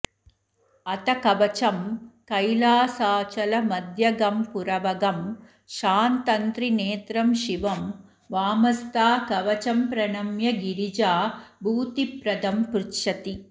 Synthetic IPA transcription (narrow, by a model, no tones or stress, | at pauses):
ɐt̪ɐkɐʋɐt͡ʃɐmkɐjlaːsaːt͡ʃɐlɐmɐd̪ʱjɐɡɐmpuɾɐʋɐɡɐm | ʃaːnt̪ɐnt̪ɾineːt̪ɾɐmʃiʋɐm | ʋaːmɐst̪aːkɐʋɐt͡ʃɐmpɾɐnɐmjɐɡiɾid͡ʒaːbʱuːt̪ipɾɐd̪ɐmpɾutʃɐt̪i